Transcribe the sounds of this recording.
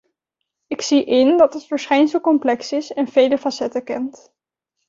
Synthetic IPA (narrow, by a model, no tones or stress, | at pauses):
ɪksiʔɪndɑtɦətfəɹsχɛjns̬əlˠkɔmplɛksɪsɛnvejləfɑsɛtəkɛnt